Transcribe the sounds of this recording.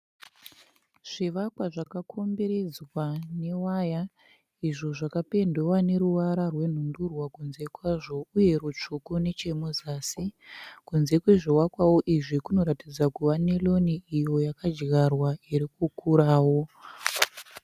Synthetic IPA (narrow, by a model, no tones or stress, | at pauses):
ʐ̥iʋakwaʐakakʰo̞mbe̞ɾe̞d͡zwane̞waja | iʐo̞ʐakape̞ndewane̞ɾuʋaɾarwe̞n̤undurwakunze̞kwaʐo̞uje̞ɾut͡ʂukune̞t͡ʃe̞mozaːsikunze̞kwe̞ʐiwakwawo̞ʔiʐikuno̞ɾatid͡zakuʋane̞lo̞niijo̞jakad͡ʒɣarwaiɾikukuɾaːwo̞